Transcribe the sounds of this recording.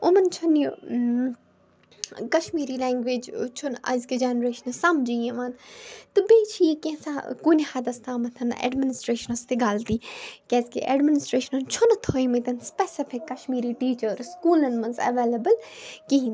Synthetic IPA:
ʊmɐnt͡ʃʰunju | kɐʃmiːɾilɛ̃ːŋɡʋeːd͡ʒt͡ʃʰʊnɐ̰zkid͡ʒenɾeːʃɐnɐsɐmd͡ʒiẽmaːnt̪ɨbeːt͡ʃʰikẽsakunʲhɐd̪ɐst̪ʰaːmɐt̪ʰɐn̰ɛ̰ɖmɪnɪsʈɾeːʃənɐst̪eɡaːlt̪iːkʲeːzkḛʔɛ̰ɖmɪnɪsʈɾeːʃɐnɐnt͡ʃʰʊnt̪ʰoːjmɐ̃t̪ɐnspɛsɪpʰɪkːɐʃmiːɾiʈiːt͡ʃəɾskuːlɐnmɐnzɐ̰ʋeːlɐbəlkiɦĩn

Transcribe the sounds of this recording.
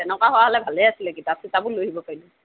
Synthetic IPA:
ɛnɔkaɦɔwaɦɔlɛbʱalɛjasilɛkitasitabʊloɦibɔpaɹilɛ

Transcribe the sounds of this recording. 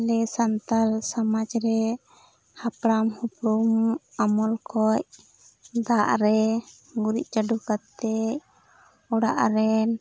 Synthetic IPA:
lɛsant̪alsamad͡ʒɾɛ | hapɽamhupɾumamɔlkʰɔc | d̪aʔɾɛ | ɡuɾiʔ̚t͡ʃaɖukat̪ːɛ | ɔɽa̰ʔɾɛn

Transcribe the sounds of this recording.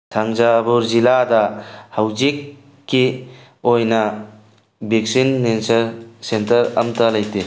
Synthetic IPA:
sʰaŋd͡ʒabuɾziladahawzikː | i | ojna | bik̚sinːensɐɾsentɐɾɐ̰mtalajte

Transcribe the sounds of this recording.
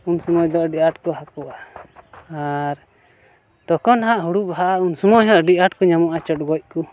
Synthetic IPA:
unsɔmɔjd̪ɔʔɖiʔaʈkɔɦakɔʔa | aɾ | t̪ɔkɔnɦaʔɦuɽupɦaʔaunsɔmɔjɦɔʔɖiʔaʈkɔɲamɔʔat͡ʃɔʈ̚ɡɔc̚ku

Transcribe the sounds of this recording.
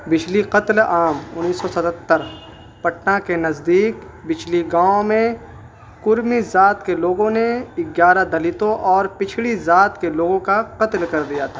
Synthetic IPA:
bɪt͡ʃʰliqɐt̪laːmʊnːiːsːɔsɐt̪ət̪ːəɾ | pɐʈnakenɐzd̪iːk | bɪt͡ʃʰliɡaːõmẽ | kʊɾmizaːt̪keloːɡõneɪɡjaːɾad̪ɐlit̪õʔɔːɾpɪt͡ʃʰlizaːt̪keloːɡõkaqɐt̪lkɐɾd̪ijat̪ʰa

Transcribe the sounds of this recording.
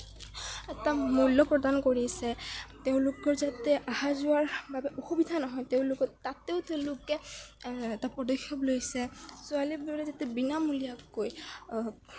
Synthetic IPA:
ɛtamulːɔpɹɔdankoɹiasɛteʊ̃lokɔɹzatɛʔahazʊwaɹbabɛʔoxubidʱanɔɦɔjteʊ̃lokɔtateʊteʊ̃lokɛ | ɛtapɹɔdɔxʰːjɔblojsɛsualibabɛzatɛbinamulijakːoj

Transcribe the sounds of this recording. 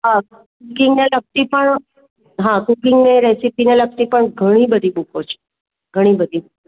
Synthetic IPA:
ɦa | kukɪŋɡnelək̚t̪ipəɳ | ɦãkukɪŋɡneɾesipinelək̚t̪ipəɳɡʱəɽ̃ibəd̪ʱimukʰot͡ʃʰe̥ | ɡʱəɽ̃ibəd̪ʱimuko

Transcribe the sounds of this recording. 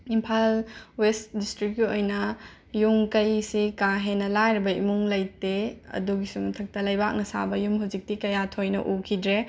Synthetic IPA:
impʰalwestdistɾik̚ːiojnɐ | juŋkɐjsikaɦenːɐlajɾibɐḭmuŋlɐjteɐ̰duɡisuŋtʰɐk̚tɐlɐjbak̚nɐsa̰bɐjumɦuzik̚tikɐjatʰojnɐ̰ʔukʰidɾe

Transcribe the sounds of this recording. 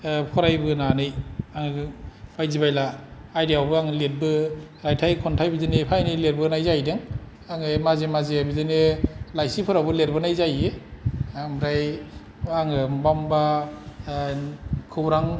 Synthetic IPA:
pʰɔɾajbɯnanɯjaŋbajzibajlaːjdiawbɯaŋɯlet̚bɯɾajtʰajkʰɔntʰajbidɯnepʰajnijleɾ̚bɯnajzajdɯŋ | aŋɯmazemazebidɯnelajsipʰɔɾabɯleɾbɯnajzajeamɾaj | aŋɯmbamba | kʰɯɾaŋ

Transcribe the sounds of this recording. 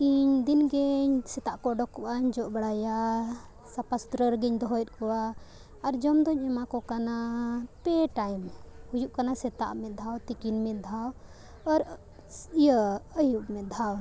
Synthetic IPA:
iɲd̪inɡɛɲsɛt̪aʔkɔɖɔkːɔʔaɲd͡ʒɔʔbaɽaja | sapast̪ɾəɾɡɛɲd̪ɔɦɔjt̪̚kɔwaː | ɾd͡ʒɔmd̪ɔɲɛmakɔkanapɛʈajmhujuʔkanasɛt̪a̰ʔmɛd̪ʱawt̪ikinmɛt̪̚d̪ʱaw | ɔɾ | ijəəjuʔmɛd̪ʱaw

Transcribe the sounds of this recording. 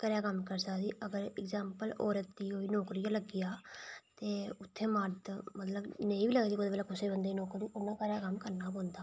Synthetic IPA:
kəɾjaːkəmkəɾsəkd̪iːʔəɡəɾɪkzaːmpəlɔːɾət̪ːiːɦoːiːnoːkɾɪjãːləɡɪjaːt̪eːʊt̪ʰːeːməɾt̪mət̪ləbneĩːbiːləɡaːsikoːd̪beːlaːkʊseːbənd̪aːinɔːkɾiːʔʊnːãːkəɾjaːkəmkəɾnaːpõːnd̪aː

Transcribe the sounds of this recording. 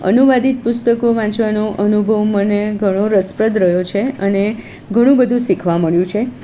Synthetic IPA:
ə̰nuʋad̪ʱit̪̚pʊst̪əkoʋãt͡ʃʋanoʔənubʱəʋməneɡʱəɽ̃oɾəspɾəd̪ɾəjot͡ʃʰeəne | ɡʱəɽ̃ũbəd̪ʱũsikʰʋaməɭjũt͡ʃʰe

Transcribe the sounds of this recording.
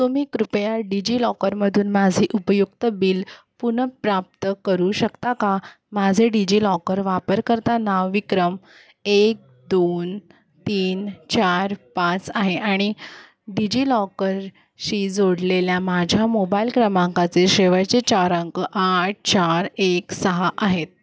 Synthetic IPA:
t̪umiːkɾupjaɖid͡ʑiːlɔkəɾməd̪ʱuːnmad͡zʱiʔupəjukt̪əbiːl | punəpɾap̚t̪əkəɾuɕəkt̪aka | mad͡zʱeɖid͡ʑiːlɔkəɾʋapəɾkəɾt̪anaʋʋikɾəm | ek̚d̪on | t̪iːnt͡ɕaɾpat͡saɦeʔaɽ̃i | ɖid͡ʑilɔkəɾ | ɕiːd͡zoɽleljamad͡ʑʱjamobailkɾəmaŋkat͡seɕeʋajt͡ɕet͡ɕaɾaŋkəʔaʈ̚ʰt͡ɕaɾeksəɦaʔaɦet̪̚

